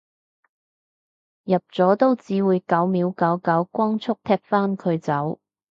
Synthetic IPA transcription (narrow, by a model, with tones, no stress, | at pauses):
jɐ˨p̚t͡sɔː˨˥t̪o˥wt͡siː˨˥wuː˨˧jkɐ˨˥wmiː˨˥wkɐ˨˥wkɐ˨˥wkʷɔː˥ŋt͡sʰʊ˥k̚t̪ʰɛː˥p̚faː˥nkʰɵ˨˧ɥt͡sɐ˨˥w